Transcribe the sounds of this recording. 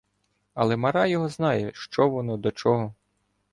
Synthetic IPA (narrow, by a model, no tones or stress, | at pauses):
ɐlˠɛmɐɾɑjɔɦɔznɑjɛʃt͡ʃɔʋɔnɔd̪ɔt͡ʃɔɦɔ